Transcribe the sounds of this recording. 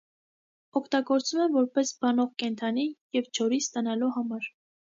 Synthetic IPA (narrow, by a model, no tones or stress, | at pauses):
ɔkʰt̪ɑɡɔɾt͡sumɛmvɔɾpɛsbɑnɔʁkɛnt̪ʰɑnijɛvt͡ʃʰɔɾist̪ɑnɑluhɑmɑɾ